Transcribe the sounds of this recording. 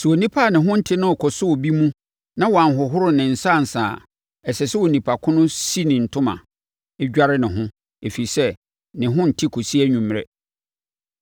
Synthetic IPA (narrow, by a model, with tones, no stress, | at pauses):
su˨o˨nĩ˦pʰa˦˨nɪ̃˨ɦʊ̃˦n̩˦tʰɪ˦nʊ̃˦ɔ˨kʰɔ˨sʊ˦wɔ˨bi˦mũ˦ | nã˦wɔ˨a˨n˨ɦʊ˨ɦʊ˦ɾʊ˦nɪ̃˨n̩˨sa˦˨n̩˨saː˨ | ɛ˨sɛ˨sɛ˦wɔ˨nĩ˨pʰa˨kʰʊ̃˦nʊ̃˦si˦nɪ̃˨n̩˨tʰʊ̃˦mã̰˨ | ɪ˦ɟᶣa˦ɾɪ˦nɪ̃˨ɦʊ̃˦ | e˨fi˨i˨sɛ˦ | nɪ̃˨ɦʊ̃˦n̩˨tʰɪ˦kʰo˨si˦æ˦ɲũ˨m˨ɾɛ̰˦